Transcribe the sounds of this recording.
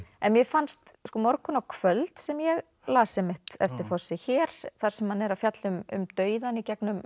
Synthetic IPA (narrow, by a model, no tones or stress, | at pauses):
ɛnmjɛfanst̪ | skɔmɔɾkʏnawkʰvœlt̪sɛmjɛɣ | laːsɛmɪht̪ɛ̰ft̪ɪɾ̥fɔ̥sɪçɛːɾ̥θaɾ̥sɛmhanɛɾafjat̪lʏmʏ̰mt̪œːɥðanicɛknʏm